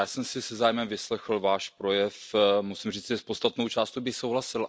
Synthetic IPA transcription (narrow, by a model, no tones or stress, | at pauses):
jaːsɛmsɪsɛzaːjmɛmvɪslɛxl̩vaːʃpɾo̞jɛfmusɪmriːt͡sʒɛspost̪at̪no̞wt͡ʃaːst̪ubɪxsowɦlasɪl